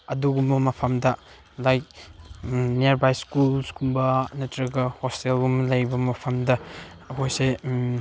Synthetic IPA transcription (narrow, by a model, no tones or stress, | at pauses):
ɐduɡumbɐmɐpʰɐmdɐ | laj | neeɾbajskulsɡumbɐnɐtɾɐɡɐhostelɡumlɐjbɐmɐpʰɐmdɐ | ɐkʰojse